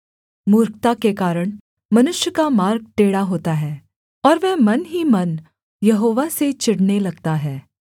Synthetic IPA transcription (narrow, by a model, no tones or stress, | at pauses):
muːɾk̚t̪akekaːɾəɽ̃ | mɐnʊʃjəkamaːɾɡ̚ʈ̪eːɽaɦoːt̪aɦɛː | ɔːɾʋɛɦmɐnɦimɐn | jɐɦoːʋaset͡ʃɪɽnelɐɡ̚t̪aɦɛː